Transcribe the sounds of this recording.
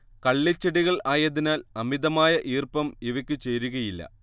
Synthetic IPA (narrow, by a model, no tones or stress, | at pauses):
kɐɭːit͡ɕːɐɽiɣɐɭaːjɐðinaːlɐmiðɐmaːjɐʔiːrpɐmiʋɐkʲːɨt͡ɕeːɾuɣɐjilːɐ̰